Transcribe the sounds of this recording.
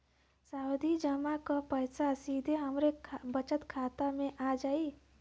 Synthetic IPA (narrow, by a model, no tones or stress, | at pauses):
saːʊd̪ʱid͡ʒəmakapəjsasiːd̪ʱeɦɐmɾebət͡ʃət̪kʰaːt̪amẽʔaːd͡ʒaːiː